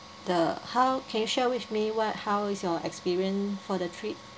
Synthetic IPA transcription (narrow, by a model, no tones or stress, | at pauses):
dəhaʊkʰɛ̃njuʃɛwiθmiwɔt̚hawɪsjɔʔɛ̰kspiɹiə̃nsfɔdətʰɹit̚